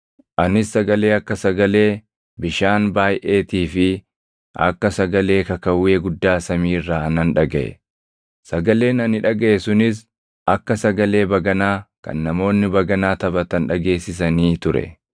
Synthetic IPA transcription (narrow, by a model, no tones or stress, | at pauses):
ʔɐnɪsːɐɡɐle̞ːɐkːɐsɐɡɐle̞ː | bɪʃaːnbaːjʔe̞ːt̪iːfɪ | ʔɐ̰kːɐsɐɡɐle̞ːkɐkɐwːe̞ːɡʊd̪ːaːsɐmiːrːaːɐnɐnᶑɐɡɐʔɛ̰ | sɐɡɐle̞ːnɐnɪᶑɐɡeɛsʊnɪs | ɐkːɐsɐɡɐle̞ːbɐɡɐnaːkɐ̰nːɐmo̞ːnːɪbɐɡɐnaːt̪ɐbɐt̪ɐnᶑɐɡe̞ːsːɪsɐniːt̪ʊɾɛ̰